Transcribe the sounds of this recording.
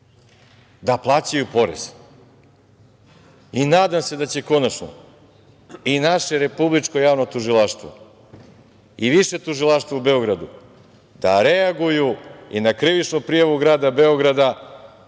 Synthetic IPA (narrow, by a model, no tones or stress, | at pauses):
d̪aplˠat͡ɕajupo̞ɾḛz̥ | inaːd̪amse̞d̪at͡ɕe̞ko̞nat͡ʃno̰ | inaʃe̞ɾe̞publit͡ʃko̞jaːʋno̞t̪uʒilaʃt̪ʋo̰ | iʋiʃe̞t̪uʒilˠaʃt̪ʋaube̞o̞ɡɾad̪u | d̪̥aɾeaɡujuinakɾiʋit͡ʃnupɾijaʋuɡɾaːd̪abe̞o̞ɡɾad̪a